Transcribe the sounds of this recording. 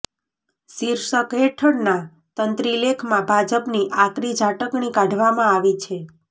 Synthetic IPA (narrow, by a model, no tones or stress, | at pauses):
siɾsəkɦeʈʰəɽna | t̪ənt̪ɾilekʰmãbʱad͡ʒəpniʔakɾid͡ʒaʈəkɳikaɖʱʋamãaʋit͡ʃʰe